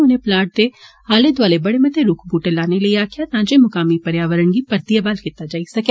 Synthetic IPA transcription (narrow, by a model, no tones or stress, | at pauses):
ʊnẽplaːʈ̚d̪e | aːled̪ʋaːlebɐɽemɐt̪eɾʊkʰbuːʈelaːneləiaːkʰjat̪ãːd͡ʒemʊkaːmipɐɾjaːʋəɾəɳɡipɐɾt̪ijabaːlkɪt̪ːad͡ʒaːisɐke